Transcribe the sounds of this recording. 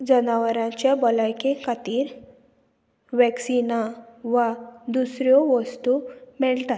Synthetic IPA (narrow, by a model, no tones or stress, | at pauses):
d͡zənaʋəɾãt͡ɕabɔlajkẽkʰat̪iːɾ | ʋɛksinaʋad̪usɾjoʋəst̪umɛɭt̪at̪